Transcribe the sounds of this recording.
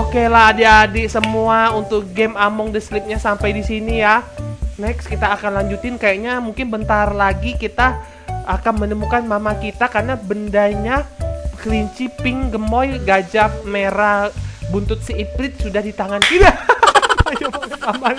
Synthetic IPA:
okelaɦːdeadɛsəmuaunt̪ʊk̚ɡɛmamɔŋdəslɪp̚ɲasampajdisinijanɛkskit̪aːkanlaɲd͡ʒut̪ɪnkajaʔɲamuŋkɪnbənt̪arlaɡikit̪aː | kanmənəmukanmamakit̪akarnabəndaɲakɾiɲt͡ʃipɪŋɡəmɔjɡad͡ʒap̚meɾabunt̪ʊt̪̚siːplɪt̪̚sudahdit̪aŋankida | ajaakamba

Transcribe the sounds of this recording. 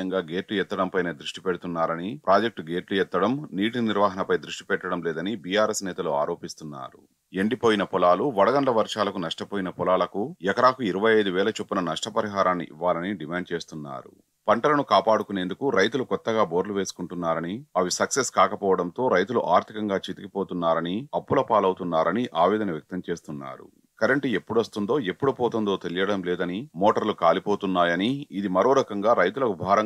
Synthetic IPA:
ɐŋɡaːɡe̞ːʈlujɛt̪ːɐɽɐmpɐjneːd̪ɾuʂʈi̥pɛɽut̪unːaːɾɐnipɾʔaːd͡ʒek̚ʈɡeːʈlujɛt̪ːɐɽɐmniːʈiniɾʋaːɦɐnɐpɐjd̪ɾuʂʈi̥pɛʈːɐɽɐmlɛːd̪ɐnibijaːɾeːsnɛːt̪ɐlua̰ːɾo̞ːpist̪unːa̰ːɾu | e̞ɳɖipoːjinɐpɔlaːluʋɐɽɐɡ̪ɐɳlɐʋɐɾʂaːlɐkunɐʂʈɐpoːjinɐpɔlaːlɐkujɛkɐɾaːkuiɾɐʋɐjɐjd̪uʋɛːlɐt͡ʃopːunɐnɐʂʈɐpɐɾiɦaːɾaːnːḭʔḭʋːaːlɐniɖimaːɳɖ̚t͡ʃe̞ːst̪unːa̰ːɾṵ | pɐɳʈɐlɐnukaːpaːɽukune̞ːnd̪ukuɾɐjt̪̬ulukɔt̪ːɐɡaːboːɾluʋeːsu̥kuɳʈunːaːɾɐniɐʋisɐkseskaːkɐpɔːʋɐɽɐnt̪o̞ːɾɐjt̪uluʔaːɾt̪ʰikɐŋɡaːt͡ʃit̪ikipo̞ːt̪unːaːɾɐniɐpːulɐpaːlɐwut̪unːaːɾɐniʔaːʋiːd̪ɐnɐʋjɐk̚t̪ɐmt͡ʃe̞ːst̪unːa̰ːɾṵ | kɐɾɐɳʈie̞pːuɽɐst̪und̪o̞ːe̞pːuɽupɔːt̪und̪o̞ːt̪e̞lijɐɽɐmlɛːd̪ɐnimoːʈɐɾlukaːlipoːt̪unːaːjɐniːd̪imɐɾoːɾɐkɐŋɡaːɾɐjt̪ulɐkubʱaːɾɐŋ

